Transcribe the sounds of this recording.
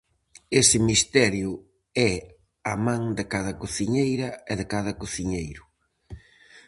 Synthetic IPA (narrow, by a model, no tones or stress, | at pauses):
esɪmist̪ɛɾjʊ | ɛ | ɐmãŋd̪ɪkaðɐkoθiɲejɾɐɛðɪkaðɐkoθiɲejɾʊ